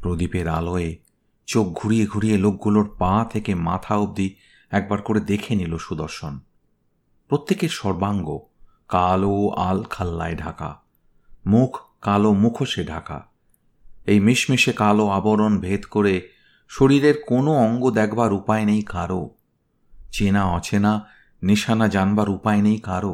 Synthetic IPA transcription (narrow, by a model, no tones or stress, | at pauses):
pɾod̪ipeɾa̰loe | t͡ɕok̚ɡʱuɾieɡʱuɾijelok̚ɡuloɾpãt̪ʰekema̰t̪ʰaub̚d̪i | ɛk̚baɾkoɾed̪ekʰeniloʃud̪oɾʃon | pɾot̪ːekeʃɔɾbaŋɡo | kaloa̰lkʰalːaeɖʱaka̰ | mukʰkːalomukʰoʃeɖʱaka̰ | ejmiʃmiʃekaloaboɾonbʱet̪koɾe | ʃoɾiɾeɾkonoɔŋɡod̪ɛkʰbaɾupaenejkaɾo | t͡ɕenaɔt͡ɕʰena | niʃanad͡ʑanbaɾupaenejkaɾo